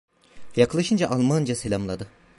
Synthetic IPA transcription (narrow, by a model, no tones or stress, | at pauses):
jakʰlˠaʃɯnd͡ʒaʔalˠmand͡ʒaselʲamlˠad̪ɯ